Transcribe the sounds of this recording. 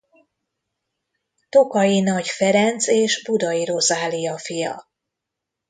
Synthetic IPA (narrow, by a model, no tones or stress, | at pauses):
t̪o̞kɒjinɒɟfɛɾɛnt̪seːʃbud̪ɒiɾo̞zaːlijɒfijɒ̰